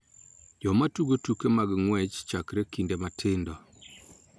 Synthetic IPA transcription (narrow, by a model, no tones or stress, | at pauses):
d͡ʒɔmatuɡotukemaɡŋwɛt͡ʃt͡ʃakɾekindematʰɪndɔ